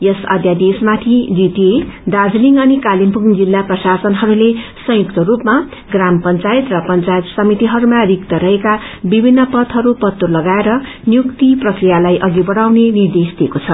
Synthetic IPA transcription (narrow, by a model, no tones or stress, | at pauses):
jʌsʌ̰d̪jad̪esmat̪ʰid͡z̪it̪ed̪ad͡zliŋɡʌnikalimpuŋd͡zilːaprʌsasʌnɦʌɾulesʌ̃jukt̪ʌrupma | ɡrampʌnt͡saet̪rʌpʌnt͡sajet̪sʌmit̪iɦʌɾumarikt̪ʌɾʌɦeka | bibʱinːʌpʌt̪ʰɦʌɾupʌt̪ːulʌɡaeɾʌ | njukt̪iprʌkrijalajʔʌɡibʌɽawnenird̪esd̪iekot͡sʰʌ